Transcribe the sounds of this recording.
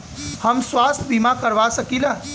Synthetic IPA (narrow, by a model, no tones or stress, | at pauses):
həmswaːst̪ʰbimakəɾʋasəkilaː